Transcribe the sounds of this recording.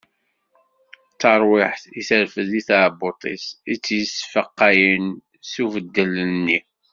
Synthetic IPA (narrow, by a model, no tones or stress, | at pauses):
t͡sːɑɾˤwɪħiθəɾfəðiθaʕbot̪ˤḭsit͡sːjəsfəqːɑjin | suvəd̪ːələnːi